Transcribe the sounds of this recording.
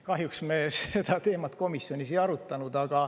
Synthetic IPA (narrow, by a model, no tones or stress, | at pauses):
kɑɦjuksmese̞d̪ɑt̪e̞ːmɑt̪ko̞misːjo̞nisejɑɾut̪ːˑɑnud̪̥ɑɡ̥ɑ